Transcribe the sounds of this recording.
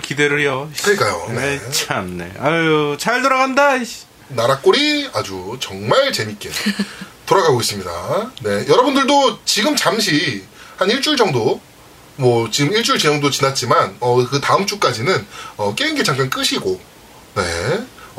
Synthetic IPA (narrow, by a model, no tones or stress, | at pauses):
kideɾɯɭejokɯɲik͈ajo̰net͡ɕʰannḛat͡ɕaɭtʌɾaɣanda | naɾak͈oɾiad͡ʑut͡ɕʌŋmaɭt͡ɕe̞mik͈e̞̰toɾaɡaɡois͈ɯmɲida̰ne̞jʌɾʌbundɯɭdot͡ɕiɡɯmt͡ɕamɕ̬ʰihaniɭt͡ɕ͈uɭd͡ʑʌŋdo | mwʌt͡ɕiɡɯmiɭt͡ɕ͈uɭt͡ɕejʌŋdot͡ɕinat̚t͡ɕ͈imanʌkɯtaɯmt͡ɕ͈uk͈ad͡ʑinɯnʌk͈einɡe̞t͡ɕaŋk͈ank͈ɯɕʰiɡo | ne̞̰